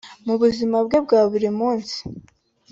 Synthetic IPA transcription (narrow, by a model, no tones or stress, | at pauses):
muβuzimabɡe̞bɡaːβuɾimuːnsi̥